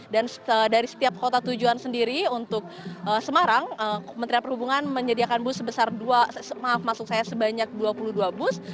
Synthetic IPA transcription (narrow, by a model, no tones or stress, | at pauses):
danədaɾisə̥t̪iap̚kot̪at̪ud͡ʒuansəndiɾiunt̪ʊk̚əsəmaɾaŋəəmənt̪ɾianpərhubuŋanməɲədiakanbʊsːəbəsarduaəmaɦafmasʊk̚sajasəbaɲak̚duapuluduabʊs